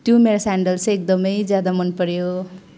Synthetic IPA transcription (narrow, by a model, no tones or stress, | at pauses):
t̪jomeɾasaɳɖʌlsek̚d̪ʌmʌjd͡zjad̪amʌnpʌɾjo